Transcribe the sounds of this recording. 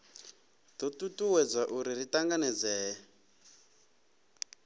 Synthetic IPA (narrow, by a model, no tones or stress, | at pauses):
d̥ɔtutuwɛd͡zaʔuɾiritaŋɡanɛd͡zɛː